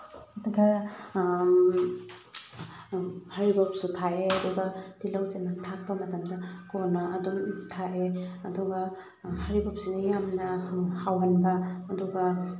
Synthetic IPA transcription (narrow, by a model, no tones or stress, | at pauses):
ɡa | haɾibɔp̚sutʰaʔeɐdɔɡad̥ilawt͡ʃenatʰak̚bamɐtamdakɔnaːdɔmtʰaʔeɐdɔɡa | haɾibɔp̚sunajamnahawɦanbaːdɔɡa